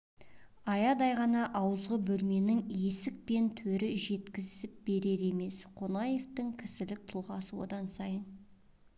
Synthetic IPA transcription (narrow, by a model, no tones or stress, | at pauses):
ɑjɑd̪ɑjʁɑnɑʔɑwəzʁəbɵlme̞nɪŋje̞sɪk̚pe̞nt̪ʰɵɾɪʒe̞t̪kʲɪzɪp̚b̥e̞ɾe̞ɾe̞me̞sqʰo̞nɑje̞ft̪ɪŋkʲʰɪsɪlɪk̚t̪ʰulˠʁɑsəwo̞̰d̪ɑnsɑjən